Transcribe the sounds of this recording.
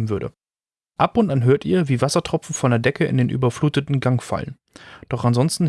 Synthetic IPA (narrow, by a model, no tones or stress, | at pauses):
m̩vʏɐdɾə̰ | ʔapʊntʔanɦøːɐtiːɐviːvasɐtʁ̥ɔp͡fn̩fɔndeːɐdɛkʰəɪ̰ndeːnʔy̰ːbɐfluːtətn̩ɡaŋfa̰lə̰n | d̥ɔχanzɔnstn̩